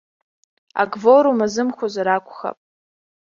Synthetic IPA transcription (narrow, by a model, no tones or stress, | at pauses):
a̰ɡvoɾumazɨmχʷozaɾakʷʰʼχa̰pʼ